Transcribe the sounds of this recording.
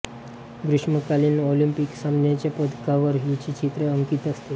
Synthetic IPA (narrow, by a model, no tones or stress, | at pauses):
ɡɾuʂməkaliːnolimpiksamnjat͡ɕjapəd̪kaʋəɾɦit͡ɕit͡ɕit̪ɾeəŋkiːt̪əst̪e